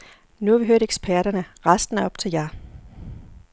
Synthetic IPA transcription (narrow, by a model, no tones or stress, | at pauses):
nuæʋiɦøɐ̰ɾ̥eɡ̥spʰæɐɾ̥ɐnəʁɑsd̥n̩æɐɒ̽b̥t͡sʰe̝ljæ